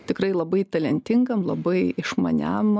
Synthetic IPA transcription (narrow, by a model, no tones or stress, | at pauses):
t̪ʲɪkɾɐɪlˠɐbɐɪt̪ɐlʲɛnʲt̪ʲɪŋɡɐmlˠɐbɐɪɪʃmɐ̰nʲæm